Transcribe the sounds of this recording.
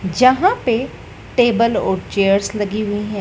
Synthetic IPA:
d͡ʒəɦãpe | ʈeːbəlɔːɾt͡ʃeːəɾsləɡiɦʊiɦɛ̃ː

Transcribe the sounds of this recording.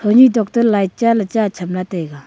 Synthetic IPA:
tʰoɲidok̚t̪ərlaj̚t͡ɕalət͡ɕat͡ɕʰəmlat̪eɡa

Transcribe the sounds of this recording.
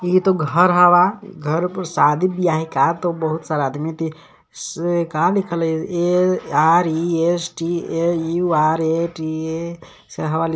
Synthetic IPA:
it̪oɡʱəɾɦəʋaɡʱəɾupəɾsad̪ʱibijaɦikat̪obəɦut̪saɾad̪mit̪i | skalikʰəleaɾiesʈieuaɾeʈie | seɦəʋal

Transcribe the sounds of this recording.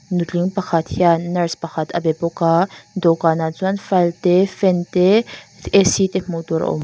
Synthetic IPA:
nuliŋpɐxʰat̪ʰjanɐɾspɐxʰat̪ʰɐ̰bepokad̪okaːnat͡suɐnfɐlt̪efent̪e | esit̪emot̪uɾ̰o̰m

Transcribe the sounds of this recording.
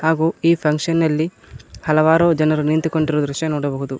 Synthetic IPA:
haːɡuːiːpʰɐŋkʂɐnːɐlːi | hɐlɐʋaːɾoːd͡ʒɐnɐɾunint̪uko̞ɳɖiɾod̪ɾuʃjɐnɔːɽɐbɐɦud̪u

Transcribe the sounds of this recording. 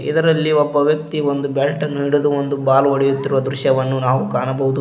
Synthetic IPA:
ḭd̪ɐɾɐlːiɔbːɐʋjɐk̚t̪iond̪ubɛlʈɐnːuiɽud̪uond̪ubaːlʋɐɽɛjut̪ːiɾuʋɐd̪ɾuʃjɐʋɐnːunaːʋukaːnɐbɐɦud̪u

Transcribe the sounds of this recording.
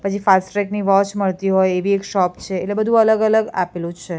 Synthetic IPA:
pət͡ʃʰifasʈʈɾɛkniʋɔ̃t͡ʃməɭt̪iɦojeʋiekʃɔpt͡ʃʰeːtlebəd̪ʱũələɡələɡapelũd͡ʒt͡ʃʰe

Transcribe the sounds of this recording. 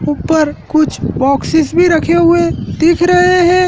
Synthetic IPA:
upəɾkʊt͡ʃʰbɔːksɪsbʱiɾɐkʰeɦʊed̪ɪkʰɾɐɦeɦɛ̃ː

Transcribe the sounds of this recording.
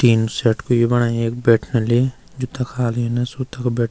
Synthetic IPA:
ʈiːnsɛːʈkojebɐɽaːeːkbɛːʈʰnele | d͡ʒoːt̪ɐkʰaːlenɐsuːt̪ɐkbɛːʈ̚

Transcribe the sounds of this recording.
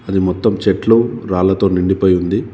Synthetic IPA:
ɐd̪imɔt̪ːɐmt͡ʃeʈluɾaːlɐt̪o̞ːniɳɖipɐjund̪i

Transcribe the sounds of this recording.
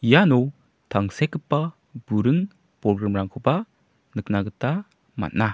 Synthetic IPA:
ijanɔ | tʰaŋsekɯpːa | buɾɯŋ | pɾɔɡɾamɾaŋkʰuba | nɯk̚naɡɯta | ma̰t̚na

